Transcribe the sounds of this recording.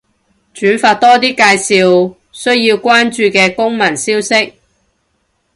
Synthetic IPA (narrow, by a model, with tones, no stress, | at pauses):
t͡ʃyː˨˥nfaː˧t̚t̪ɔː˥t̪iː˥kaː˧jsiː˨˧w | sɵ˥ɥjiː˧wkʷaː˥nt͡ʃyː˧kɛː˧kʊ˥ŋmɐ˨˩nsiː˥wsɪ˥k̚